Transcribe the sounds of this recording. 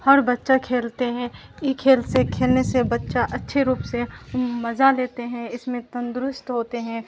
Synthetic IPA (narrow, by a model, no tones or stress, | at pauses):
hɐɾbɐtːʃakʰeːlt̪eɦɛ̃ | jekʰeːlsekʰeːlnesebɐtːʃaʔɐtːʃʰeɾuːpsemɐzaleːt̪eɦɛ̃ɪsmẽt̪ɐ̃nd̪ɾʊst̪ɦoːt̪eɦɛ̃